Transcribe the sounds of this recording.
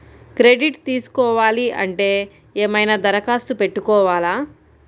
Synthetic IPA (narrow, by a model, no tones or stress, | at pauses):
kɾe̞ɖiʈt̪iːsu̥kɔːʋaːliʔɐ̰ɳʈe̞ː | eːmɐjnaːd̪ɐɾɐkaːst̪upe̞ʈːukɔːʋaːlaː